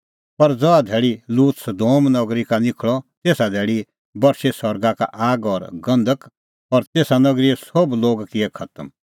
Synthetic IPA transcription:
pɐɾd͡zɔad̪ʱeːɭiluːt̪sɐd̪oːmnɔɡɾikanɪkʰɭɔt̪eːsad̪ʱeːɭi | bɐɾsesɔɾɡaka̰ʔaːɡɔːɾɡɐ̃nd̪ʱək | ɔːɾt̪eːsanɐɡɾiɛsobloːɡkɪɛkʰɐt̪əm

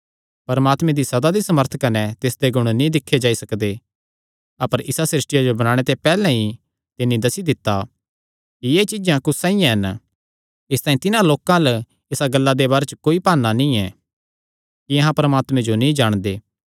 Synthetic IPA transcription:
pɐɾəmaːt̪mɛ̃d̪isɐd̪ad̪isɐməɾt̪ʰkɐnɛt̪ɪsd̪eɡʊɽ̃nĩd̪ɪkʰːed͡ʒaːisɐkd̪e | ɐpəɾʔɪsasɾɪsʈɪjad͡ʒobɐñaːɽ̃et̪epɛːlɛ̃ɦi | t̪ɪnːĩd̪ɐsid̪ɪt̪ːa | kijeːt͡ʃɪd͡ʒãkʊsãːĩjãɦɐn | ɪst̪ãːĩt̪ɪnãloːkãlə | esaɡɐlːad̪ebaːɾet͡ʃəkoːipaːnːanĩɛ | kiɐɦãpɐɾəmaːt̪mɛ̃d͡ʒonĩd͡ʒaːɽ̃d̪eː

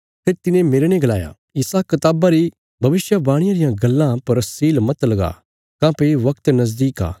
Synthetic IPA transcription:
pʰeːɾt̪ɪnẽmeːɾenẽɡɐlaːja̰ | ɪsakɐt̪aːbaɾi | bʱɐʋɪsjəbaːɽ̃ɪjãɾɪjãɡɐlːãpɐɾɐsiːlmɐt̪lɐɡa̰ | kãːpeʋɐkt̪nɐz̬d̪iːka̰ː

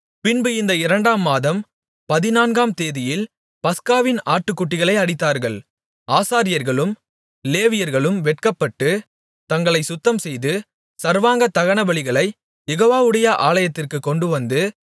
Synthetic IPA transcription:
pɪnbɯɪnd̪ɐɪɾɐɳɖaːmːaːðɐm | pɐðɪnaːnɡaːmt̪eːðɪjɪl | pɐskaːʋɪnaːʈːɯkːʊʈːɪɣɐɭɐɪɐɽɪt̪ːaːɾɣɐɭ | ʔaːsaːɾɪjɐɾɣɐɭɯm | leːʋɪjɐɾɣɐɭɯmʋɛʈ̚kɐpːɐʈːɯ | t̪ɐŋɡɐɭɐɪsʊt̪ːɐmsɛjðɯ | sɐɾʋaːŋɡɐt̪ːɐɣɐɳɐbɐɭɪɣɐɭɐɪ | jɛɣoːʋaːʋɯɽɐjɐʔaːɭɐjɐt̪ːɪrkɯkːɔɳɖɯʋɐnd̪ɯ

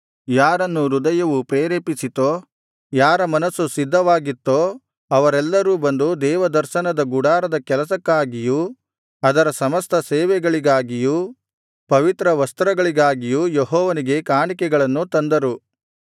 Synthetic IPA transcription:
jaːɾɐnːuɾud̪ɐjɐʋupɾeːɾeːpisit̪oː | jaːɾɐmɐnɐsːusid̪ʱːɐʋaːɡit̪ːo | ɐʋɐɾɛlːɐɾuːbɐnd̪ud̪ɛːʋɐd̪ɐɾʃɐnɐd̪ɐɡuɽaːɾɐd̪ɐkɛlɐsɐkːaːɡiju | ɐd̪ɐɾɐsɐmɐst̪ʰɐsɛːʋɛɡɐɭiɡaːɡiju | pɐʋit̪ɾɐʋɐst̪ɾɐɡɐɭiɡaːɡijujeɦɔːʋɐniɡe̞kaːɳikɛɡɐɭɐnːut̪ɐnd̪ɐɾu

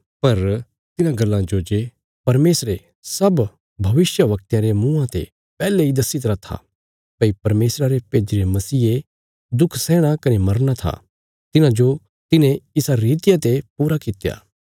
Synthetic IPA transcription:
pɐɾ | t̪ɪnãɡɐlːãd͡ʒod͡ʒe | pɐɾmeːsɾe | sɐb | bʱɐʋɪsjəʋɐk̚t̪jãɾemũːãt̪ḛ | pɛːleid̪ɐsit̪ɐɾat̪ʰa̰ | pɐipɐɾmeːsɾaɾepeːd͡ʒiɾemɐsiːe | d̪ʊkʰsɛːɽ̃akɐnemɐɾñat̪ʰa̰ | t̪ɪnãd͡ʒo | t̪ɪnẽɪsaɾiːt̪ɪjat̪epuːɾakɪt̪ja̰ː

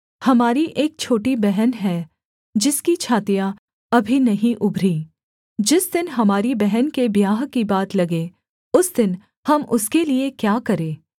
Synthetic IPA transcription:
hɐmaːɾiʔeːk̚t͡ʃʰoːʈibɛɦənɦɛː | d͡ʒɪskit͡ʃʰaːt̪ija | ɐbʱinɐɦĩʔʊbʱɾiː | d͡ʒɪsd̪ɪnɦɐmaːɾibɛɦənkebjaːɦkibaːt̪lɐɡe | ʊsd̪ɪn | hɐmʊskeliekjaːkɐɾẽː

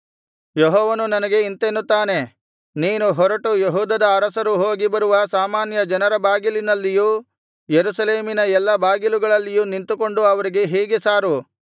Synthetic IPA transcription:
jeɦɔːʋɐnunɐnɐɡe̞int̪enːut̪ːaːne̞ | niːnuɦɔɾɐʈujeɦuːd̪ɐd̪ɐːɾɐsɐɾuɦoːɡibɐɾuʋɐsaːmaːnjɐd͡ʒɐnɐɾɐbaːɡilinɐlːiju | jeɾusɐleːminɐɛlːɐbaːɡiluɡɐɭɐlːijunint̪uko̞ɳɖuɐʋɐɾiɡe̞ɦeːɡesaːɾu

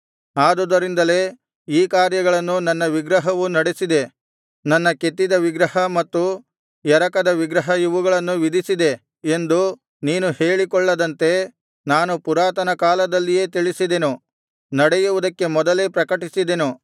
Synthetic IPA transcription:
aːd̪ud̪ɐɾind̪ɐle̞ː | iːkaːɾjɐɡɐɭɐnːunɐnːɐʋiɡɾɐɦɐʋunɐɽesid̪e̞ | nɐnːɐke̞t̪ːid̪ɐʋiɡɾɐhɐmɐt̪ːu | jɛɾɐkɐd̪ɐʋiɡɾɐɦɐjiʋuɡɐɭɐnːuʋid̪isid̪e̞ | end̪u | niːnuheːɭikɔɭːɐd̪ɐnt̪e̞ | naːnupuɾaːt̪ɐnɐkaːlɐd̪ɐlːije̞ːt̪iɭisid̪e̞nu | nɐɽɛjuʋud̪ɐkːe̞mɔd̪ɐleːpɾɐkɐʈisid̪e̞nu

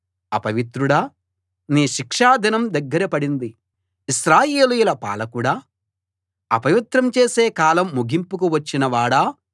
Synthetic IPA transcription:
ɐ̰pɐʋit̪ɾuɽɐ | niːʃikʂaːd̪inɐmd̪ɐɡːɐɾɐpɐɽind̪i | iʃɾaːjeːlijulɐpa̰ːlɐkuɽaː | ɐpɐʋit̪ɾɐmt͡ʃe̞ːse̞ːkaːlɐmːuɡimpukuʋɐt͡ʃːinɐʋaːɽɐː

